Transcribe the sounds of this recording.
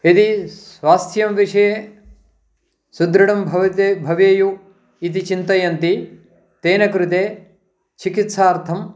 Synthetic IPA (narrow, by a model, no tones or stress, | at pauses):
it̪isʋaːst̪ʰjɐmʋiʂɐjeː | sud̪ɾɐɽɐmbʱɐʋɐt̪ebʱɐʋeːju | it̪̬it͡ʃint̪ɐjɐnt̪i | t̪eːnɐkɾut̪eː | t͡ʃikit̪saːɾt̪ʰɐm